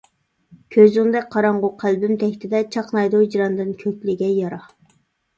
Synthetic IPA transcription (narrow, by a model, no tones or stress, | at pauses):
kʲʰøzyŋd̪ɛk̚ʲqʰɑɾɑɴʁʊqʰælbymt̪ʰɛkʲt̪ʰɪd̪ɛt͡ʃʰɑqnɑjd̪uwd͡ʒiɾɑnd̪ɨnkʲʰøkʲlɪɡʲɛjɑɾɑχ